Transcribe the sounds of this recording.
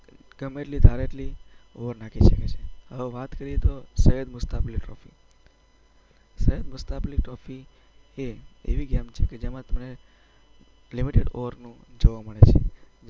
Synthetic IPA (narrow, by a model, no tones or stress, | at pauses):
ɡəmːeʈlid̪ʱaɾeʈlioʋəɾnakʰiʃəket͡ʃʰeɦəʋeʋat̪kəɾiet̪osəɦəd̪mʊst̪apliʈɾɔfḭ | səɦəd̪mʊst̪apliʈɾɔfi | eḛʋiɡɛmt͡ʃʰeked͡ʒemãt̪əmne | limiʈeɖo̰ʋəɾnũd͡ʒoʋaməɭet͡ʃʰḛ